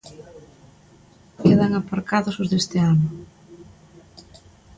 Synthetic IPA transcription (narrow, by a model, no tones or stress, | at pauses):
keðaŋapaɾkaðʊsʊzðest̪ɪanʊ